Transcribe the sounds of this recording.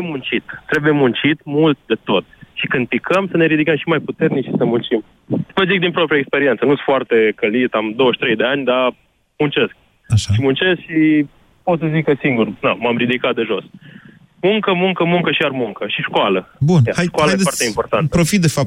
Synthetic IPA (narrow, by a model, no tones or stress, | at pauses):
emunt͡ʃit̪t̪ːɾe̞buje̞munt͡ʃit̪mult̪̚d̪e̞t̪o̞t̪̚ʃikɨnd̪̚pikʰəmsəne̞ɾid̪ikəmʃimajput̪e̞rnikʃisəmunt͡ʃim | vəzik̚d̪inpɾopɾiaekspe̞ɾie̞nt̪sənusfoart̪e̞kəlit̪amd̪o̞wəʃt̪ɾe̞jd̪e̞anʲd̪a | munt͡ʃe̞sk̚ | aʃaʃimunt͡ʃe̞skʃi | pot̪səzikəsiŋɡurnamamɾid̪ikat̪̚d̪e̞ʒo̞s | muŋkəmuŋkəmuŋkəʃiarmuŋkəʃiʃkoaləbunaajʃkalaaeefat̪eimpo̞rt̪ant̪əpɾofit̪̚d̪efap̚